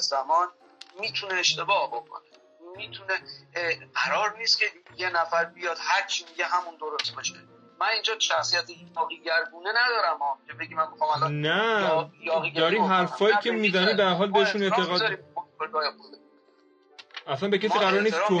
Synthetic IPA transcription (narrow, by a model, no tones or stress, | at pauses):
zæmɒːn | miːt̪ʰuneːʃt̪e̞bɒːhbokʰo̰ne | mit̪ʰuneɢæɾɒːɾniːst̪cʰejenæfæɾbijɒd̪̥hæɾt͡ʃʰimiɟeɦæmund̪oɾost̪bɒʃe | mæniːnd͡ʒɒːʃæxsijæt̪ʰejɒːɣiːɡæɾɡuːnenæd̪ɒːɾæmɒːcʰebeɟimænmixɑmælɔnæjɒːɣid̪ɒːɾiːmɦæɾfɒːjiːkʰemiːzæniːmd̪æɾɦɒːlbeeʃuneʔ̪ʰeɣɒd̪ɾimoeɾɡɒːjeod̪e | æslænbe̞cæs̬iːɡæɾɒːɾnisʰo